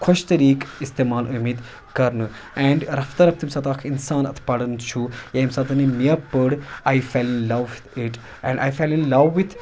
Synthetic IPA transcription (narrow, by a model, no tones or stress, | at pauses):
kʰʊʃt̪ɐɾiːkist̪eːmaːlʔumeːd̪ | kɐɾnɨ | ɛ̃ːɳɖɾɐft̪ɐɾɐf̚t̪ʰimsaːt̪aːkʰinsaːnɐ̰t̪ʰpɐɽɨnt͡ʃʰujeimsaːt̪ɐnimiapəɽaːjfeːlinlɐʋt̪iʈ | ɛ̰̃ɳɖʔa̰ːjfeːlinlɐʋːit̪ʰ